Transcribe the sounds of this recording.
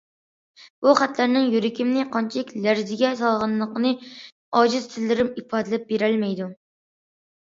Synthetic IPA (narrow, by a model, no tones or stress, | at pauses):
b̥uχæt̪læɾnɪŋjyɾɪkʲimnɪqʰɑnt͡ʃʰilɪkʲlæɾzɪɡʲɛsɑlˠʁɑnlːˠəqənɨ | ɑːd͡ʒiz̥t̪ʰɪlːɪɾɪmipʰɑːd̪ɪlɛp̚beɾælmɛjd̪u